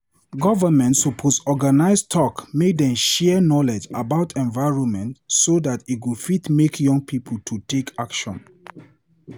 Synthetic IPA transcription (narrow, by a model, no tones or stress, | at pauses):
ɡɔvəmɛ̃ntsupʰosɔɡanaɪstʰɔkmedɛ̃mʃɛnɔlɛd͡ʒa̰baʊtʰɛ̃nvaɪɹɔ̃nmɛ̃ntsodatit̚wufitmekʰjɔ̃ŋɡpʰipʰəl̩tʰutʰekʰakʃɔ̰̃n